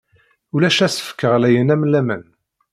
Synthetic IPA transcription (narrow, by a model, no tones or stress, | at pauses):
ulæʃæsə̥fə̥kːəʁlæjənæmlæmæ̰n